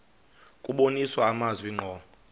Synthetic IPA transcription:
kʼuɓoniswaːmazwiŋ͡ǃʱɔ

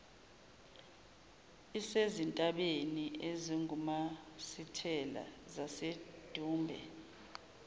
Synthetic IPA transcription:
isezintʼaɓeniʔeziŋumasitʰɛla̰zased̥ʱuːmbʱɛ̰

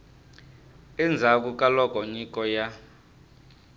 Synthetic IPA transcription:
ɛnd͡zʱak̬ukʼalɔkʼɔɲikʼɔja

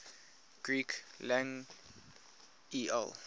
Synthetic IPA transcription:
ɡ̥ɹiklãŋ | iɛ̰l

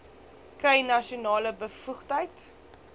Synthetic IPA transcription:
krɛjnɐʃunɑːləbəfuχtəjt

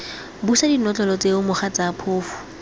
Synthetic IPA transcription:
busadinɔt͡ɬɔlɔt͡sʼeʊmʊχat͡sapʰoːfʊ̥

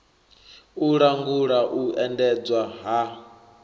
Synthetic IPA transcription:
uɺaŋɡuɺaʔuɛndɛd͡zwaɦa

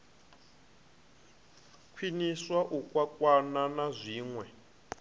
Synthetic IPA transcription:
kʰwiniswaʔukwakʼwananazʷiːŋwɛ

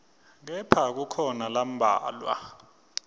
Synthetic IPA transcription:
k̬ɛpʰak̬ukʰɔnalam̩bʱa̰ːlwa̰

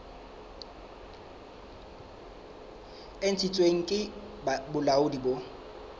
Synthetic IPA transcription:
en̩t͡sʰit͡sʼweŋ̩kʼɪ | bʊlaʊdibo

